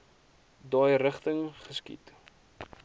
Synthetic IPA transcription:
dɑjɾəχtəŋχəskḭt

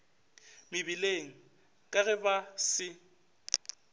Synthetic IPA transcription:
mɪbileŋ̩ | kʼaɣɛbasɪ

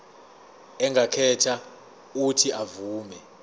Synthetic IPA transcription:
ɛŋɡʱakʰɛtʰa | utʰiʔavuːmɛ

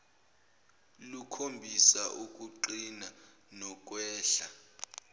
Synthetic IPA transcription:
lukʰombʱisaʔuk̬ʼuǃina | nɔk̬ʼwɛːɬa

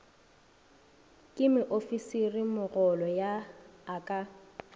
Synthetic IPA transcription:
kʼɪmɪʔofisirɪmʊɣɔlɔjaakʼa

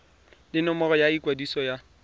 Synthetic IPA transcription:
lɪnɔmɔrɔjaikwadisɔja

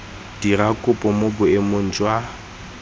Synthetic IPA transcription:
d̥irakʼʊpʼɔmobʊemon̩d͡ʒʼwa

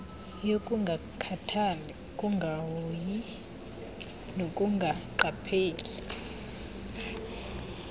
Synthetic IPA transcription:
jokʼuŋɡʱakʰatʰanɛ | kʼuŋɡʱawji | nokʼuŋɡʱaǃapʰeːli

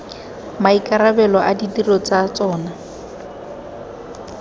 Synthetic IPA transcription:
maikʼaɾabɛlɔʔadidirɔt͡sat͡sɔːna

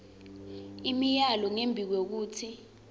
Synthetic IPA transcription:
imijalɔŋembʱik̬wek̬uːtʰi

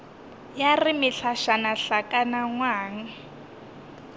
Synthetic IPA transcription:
jarɪmɪɬaʃanaɬakʼanaŋwaːŋ̩

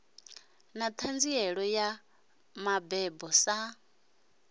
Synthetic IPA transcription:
nat̪ʰand͡ziɛɺɔja | mabɛbɔsa

